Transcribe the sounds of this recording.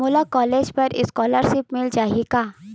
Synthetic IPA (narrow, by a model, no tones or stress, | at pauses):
ʊlakɔːleːd͡ʒpɐɾɪ̰skɔːləɾʃɪpmɪld͡ʒaːeɡaː